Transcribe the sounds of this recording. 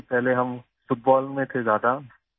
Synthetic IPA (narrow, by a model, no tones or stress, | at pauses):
pɛɦleɦɐm | fʊʈ̚bɔːlmẽt̪ʰed͡ʒjaːd̪a